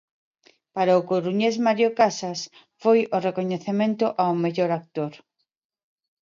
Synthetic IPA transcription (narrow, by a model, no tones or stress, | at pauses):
paɾaʊkoɾuɲezmaɾjokasas | fojorekoɲeθemẽnt̪ʊʔawmeʎoɾak̚t̪oɾ